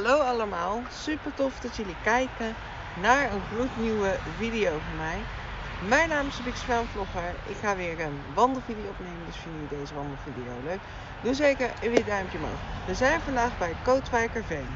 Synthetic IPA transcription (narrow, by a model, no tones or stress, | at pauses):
ɦalowɑləmaːlˠsypəɹtɔfd̥ɑtjɵlikɛjkən | naːɹənχlutnywəvidijowvɔɹmɛj | mɛjnaːmɪsbɪkspɛmvlɔχəɹɪ̰kχaːʋɪːɹən | ʋɑndəl̩ˠvidijoɔpnejməndɵsfɪndənidejzəʋɑndəl̩ˠvidijo̰wløɥk | duzejkəɹəʋɪdœɥmpjəmo̰wχəʋəzɛjnvɑndaːχbɛjətkowtʋaːkavej